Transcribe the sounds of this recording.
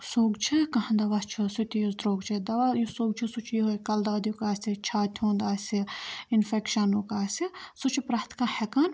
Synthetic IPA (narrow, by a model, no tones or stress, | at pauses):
soːɡt͡ʃʰikɐɦɐ̃nd̪ɐʋɐst͡ʃʰisut̪ʲijusd̪ɾoːɡt͡ʃʰid̪ɐʋajusoːɡ̚t͡ʃʰisut͡ʃʰjiɦojkɐld̪aːd̪ukaːsʲit͡ʃʰaːt̪ʲʰũːnd̪aːsiinfekʃɐnukaːsisut͡ʃʰipɾɐht̪ʰkɐhekɐn